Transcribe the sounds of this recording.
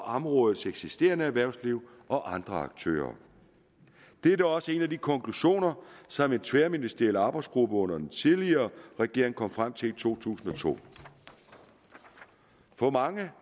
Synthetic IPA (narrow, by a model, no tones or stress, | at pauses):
ɒʔɑmʁɔ̽ːð̩ˠt͡seɡ̥sisd̥e̝̰ːɐnəæʋæɐ̰ʊ̰sliʊ̰ | ʔɒ̽ʔɑ̈nd̥ʁɐɑ̈ɡ̥t͡sʰø̰ːɐ | d̥ed̥æɒ̽səe̝næd̥ikʰɒ̽ŋkʰluɕo̝̰ːnɐsɒ̽me̝nt͡sʰʋeɐminisd̥ʁiɛlɑ̈ːb̥ɑ̈ɪsɡ̥ʁub̥əɔ̽n̰ɐd̥ent͡sʰiðˠliɐːʁɛɡ̥e̝ɐe̝ŋkʰɒ̽m̰fʁam̰t͡sʰe̝lit͡sʰo̝̰ːt͡sʰṵːsn̩ɒ̽t͡sʰo̝̰ː | fɒ̽mɑ̈ŋə